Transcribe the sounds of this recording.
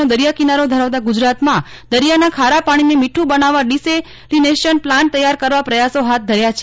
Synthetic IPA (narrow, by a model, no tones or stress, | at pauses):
od̪əɾijakinaɾod̪ʱəɾaʋt̪aɡud͡ʒɾat̪mã | d̪əɾijanakʰaɾapaɽ̃inemiʈʰũbənaʋaɖise | lineʃənplãɳʈ̚t̪əjaɾkəɾʋapɾəjasoɦat̪̚d̪ʱəɾjat͡ʃʰe